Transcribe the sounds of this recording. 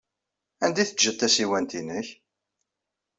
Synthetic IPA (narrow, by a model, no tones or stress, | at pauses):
ænd̪iθəʒːət̪ːæsiwænt̪inəç